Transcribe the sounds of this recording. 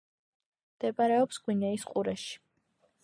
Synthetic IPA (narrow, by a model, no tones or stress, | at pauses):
md̪ɛbaɾɛɔpsɡwinɛisqʼuɾɛʃi̥